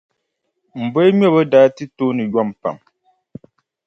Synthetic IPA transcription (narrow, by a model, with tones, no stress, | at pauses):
m̩˨bo˦mjɔ˦˨bə˦daː˨˦tɨ˦to˦nɨ˨jwa˦˨m˨pa̰˨m